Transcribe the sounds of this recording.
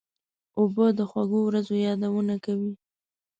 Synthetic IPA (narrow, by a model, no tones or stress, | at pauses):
obəd̪əxwaɡowɾazojɑd̪awənakawi